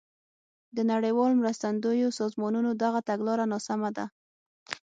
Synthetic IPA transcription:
d̪ənaɽejwɑlomɾəst̪and̪ojosɑzmɑnunod̪aɣat̪aɡlɑɾanɑsamad̪a

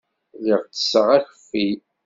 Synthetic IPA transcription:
liʁt͡sːə̥sːəʁæçəfːi

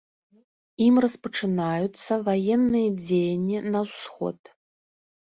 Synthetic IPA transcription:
imrɐspɐʈ͡ʂɨnajut̪sɐvajɛnːɨjɐd͡zʲejɐnʲːinɐwsxɔ̰t̪

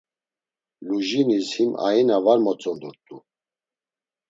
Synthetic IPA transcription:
luʒinishima̰inavaɾmɔt͡sʼɔnd̪uɾt̪ʼu

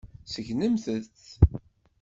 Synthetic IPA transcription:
səʝnəmθəθ

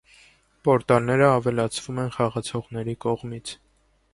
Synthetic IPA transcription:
pɔɾt̪ɑlnɛɾəɑvɛlɑt͡sʰvumɛnχɑʁɑt͡sʰɔʁnɛɾikɔʁmit͡sʰ

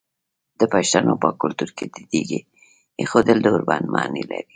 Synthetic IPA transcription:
d̪̥əpaʃt̪anopəkʊlt̪uɾkʰed̪id̪̥iɡi | exod̪əld̪əʊɾbɑnmʔɑnilaɾi

